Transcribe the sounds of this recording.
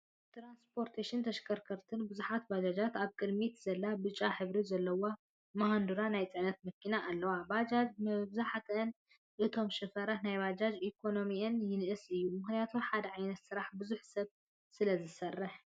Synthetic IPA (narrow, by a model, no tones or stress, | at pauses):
t̪ɾanspʰo̞ɾt̪ʰeʃɪnt̪ʰɐʃkʰɐɾkʰɐɾt̪ʰɨnbɨzuħat̪bad͡ʒad͡ʒat̪aβkʼɨd̪mit̪zɐlːabɨt͡ʃʼaħɨβɾizɐlːɐwa | mahand̪uɾanajt͡sʼɨʕnɐt̪mɐkːinaʔːlːɐwabad͡ʒad͡ʒmɐβzaħat̪ʰːn | ʔɨt̪ʰo̞mʃɨfɐɾat̪najβad͡ʒad͡ʒʔikʰo̞no̞miɐnjɪnɨʔɨsɨjːumɨxnijat̪ʰuħad̪ɐʕajnɐt̪sɨɾaħbɨzuħsɐβ | sɨlɐzɨsɐrːɨħ